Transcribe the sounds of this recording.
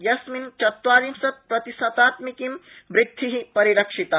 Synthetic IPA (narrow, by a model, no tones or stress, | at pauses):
jɐsmint͡ʃɐt̪ʋaːɾimsɐpɾɐt̪isɐt̪aːt̪mikimʋɾɪd̪ʱːiɦipɐɾiɾɐkʂit̪a